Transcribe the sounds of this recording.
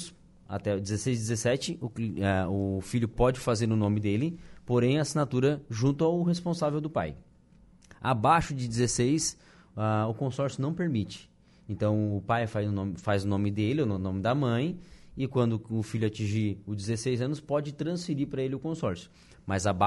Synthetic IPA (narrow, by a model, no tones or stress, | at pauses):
s | a̰t̪ɛd͡ʒɪzesejzd͡ʒɪzesɛt͡ʃɪʔʊkɛʊfiʎʊpɔd͡ʒɪfazeɾʊnõmɪd̪elɪpoɾẽj̃ɐsinat̪uɾɐʒũnt̪ʊawɦespõsavewd̪ʊpa̰j | a̰baʃʊd͡ʒɪd͡ʒɪzesejs | aʊkõsɔɾsjʊnɐ̃w̃peɾmit͡ʃɪ̥ | ẽnt̪ɐ̃w̃ʊpajfaznʊnõmɪfazʊnõmɪd̪elɪʊnõnõmɪd̪ɐmɐ̃j̃ɪkwɐ̃nd̪ʊʊfiʎʊat͡ʃĩʒiʊd͡ʒɪzesejzɐ̃nʊspɔd͡ʒɪt̪ɾɐ̃sfɪɾiɾpɾɐelɪʊkõsɔɾsjʊ̥ | mɐzaba